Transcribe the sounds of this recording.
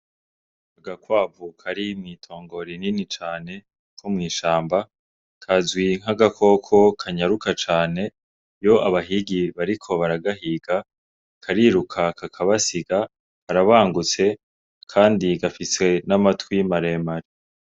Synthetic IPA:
aɡakwaːvukʰaɾimŋiːtʰo̞ːŋɡo̞ɾininit͡ʃaːne̞ | kʰumŋiːʃaːmba | kʰazɡwiŋ̥haɡakʰo̞kʰo̞kʰaɲaɾukat͡ʃaːne̞ | jo̞ʔaβaɦiɡiβaɾikʰo̞βaɾaɡaɦiɡa | kʰaɾiɾukʰakakʰaβasiɡa | kaɾaβaːŋɡut͡se̞ | kʰaːndiɡafise̞namatwimaɾe̞maɾi

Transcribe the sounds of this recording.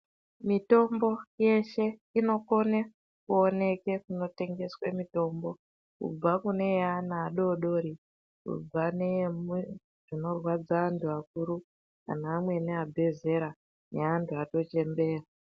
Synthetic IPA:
mito̞mbo̞je̞ʃe̞ino̞ko̞ne | kuone̞ke̞kuno̞te̞ŋɡe̞swemito̞mbo̞ | kṵb͡vakune̞anaːɗo̞ɗo̞ɾi | kṵb͡vanem | ʐ̥ino̞rwad͡zaːntʰuakuɾu | ka̰naːmwe̞neabʱe̞ze̞ɾa | neantʰuato̞t͡ʃe̞mbe̞ːra

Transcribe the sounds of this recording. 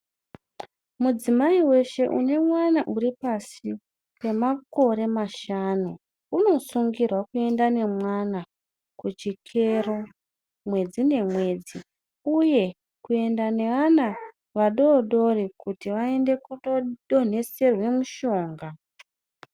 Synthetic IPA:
mud͡zimaiwe̞ʃe̞ʔṵne̞mwanaʔuɾipasi | we̞mako̞ɾe̞maʃanu | uno̞suŋɡirwakue̞ndane̞mwana | kut͡ʃikʰe̞ro | mwe̞d͡zine̞mwe̞ːd͡zi | uje̞ | kue̞ndane̞ʋana | ʋaɗo̞ːɗo̞rikutiʋae̞nde̞kuoɗo̞n̤e̞se̞rwe̞muʃo̞ːŋɡa

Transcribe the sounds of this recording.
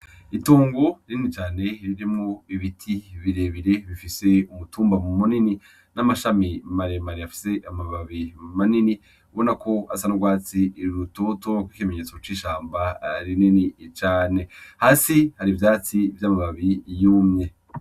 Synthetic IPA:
ituːŋɡoɾininit͡ʃaːne̞ɾiɾimŋoiβitʰiβiɾe̞βiɾe̞βifise̞umutuːmbamumunini | namaʃamimaɾemaɾiafi̥se̞ʔamaβaβimanini | βo̞nakʰo̞asanuɡwaːt͡siɾutotuŋɡakwikime̞ɲe̞ːt͡so̞t͡ʃiːʃaːmbaɾininit͡ʃaːne̞haːsihaɾivjaːt͡sivjamaβaβijuːmɲe

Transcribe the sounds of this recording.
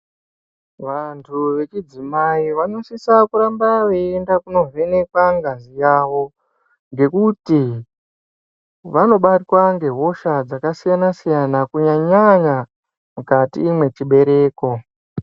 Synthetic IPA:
ʋantʰuʋe̞t͡ʃid͡zimaiʋano̞sisakuɾambaʋeːndakuno̞ve̞ne̞kwaŋɡazijaːʋo̞ | ŋɡe̞kuti | ʋano̞ɓatwaŋɡe̞ɦo̞ʃad͡zakasijanasijanakuɲaɲaɲa | mukatḭːmwe̞t͡ʃiɓe̞ɾe̞ːko̞

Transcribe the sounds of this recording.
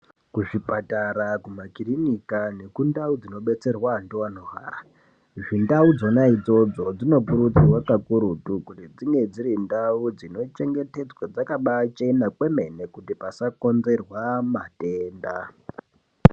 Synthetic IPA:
kuʐipataɾakumakirinikane̞kundaud͡zino̞ɓe̞t͡se̞rwandowanoɦa̰ːra | ʐindaud͡zo̞naid͡zo̞d͡zo̞d͡zino̞puɾut͡siwakakuɾutukutid͡ziŋɡe̞d͡ziɾindaud͡zino̞t͡ʃe̞ŋɡe̞te̞d͡zwad͡zakaɓat͡ʃenakwe̞me̞ne̞kutipasako̞nze̞rwamate̞ːnda̰

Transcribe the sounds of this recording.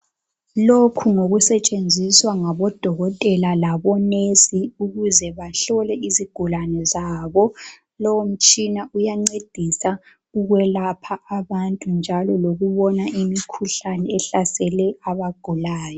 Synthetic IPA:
lokʰuŋoɣusɛt͡ʃʼend͡zʱiswaŋaβɔd̥ʱɔɣɔtʼɛlalaβɔnesiuɣuzɛβaɬɔlɛiziɡ̥ʱulanɛzaːβɔ | lɔwom̩t͡ʃʼinaujaŋ͡ǀed̥ʱisa | uɣwɛlapʰaːβantʼund͡ʒʱalɔloɣuβɔnaʔimikʰuɬanɛɛɬasɛlɛaβaɡ̥ʱulaːjɔ

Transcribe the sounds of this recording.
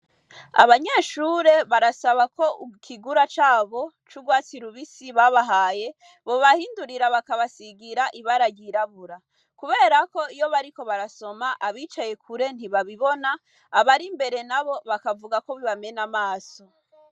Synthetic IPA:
a̰βaɲe̞ːʃuɾe̞βaɾasaβako̞kʰiɡuɾat͡ʃaːβo̞ | t͡ʃuɡwaːt͡siɾuβisiβaβaɦaːje̞ | βo̞βahiːnduɾiɾaβakaβasiɡiɾaʔiβaɾaɟiɾaβuɾa | kuβe̞ːɾako̞ijo̞βaɾiko̞βaɾaso̞maʔaβiːt͡ʃaje̞kʰuɾe̞n̥iβaβiβo̞naː | βaɾimbe̞ɾe̞naβo̞βakavuɡako̞βiβame̞namaːso̞

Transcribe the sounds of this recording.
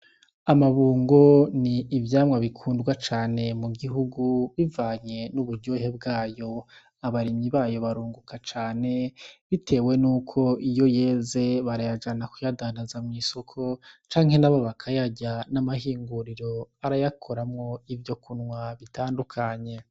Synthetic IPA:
amaβuːŋɡo̞niːvjaːmŋaβikʰuːndɡwat͡ʃaːne̞muɡiɦuɡuβivaːɲe̞nuβuɾɟoːɦe̞b̚ɡaːjo̞ | aβaɾimɲiβaːjo̞βaɾuːŋɡukat͡ʃaːne̞βitʰe̞ːwe̞nuːkʰo̞ijo̞je̞ːze̞βaɾajad͡ʒanakujadanazamŋiːso̞kʰo̞t͡ʃaːŋhe̞naβoβakʰajaɟanamahiːŋɡuɾiɾo̞aɾajakʰo̞ɾamŋo̞ivjo̞kunŋwaβitaːndukʰaɲe̞

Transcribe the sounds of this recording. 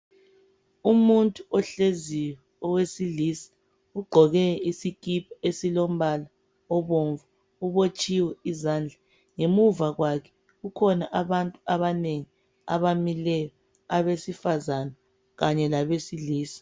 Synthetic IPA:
umuntʼuɔɬeziwɛ | ɔwesiliːsḁ | uɡ͡ǃʱɔɣɛisikʼipʰaesilom̩βala | ɔβoɱva | uβot͡ʃʼiwɛizaːnd͡ɮʱa | ŋemuvaɣwakʰɛ̥ | ɣukʰɔnaʔaβantʼuaβaneŋi | a̰βamilɛjɔ | aβesifazana | ɣaɲɛlaβesiliːsḁ

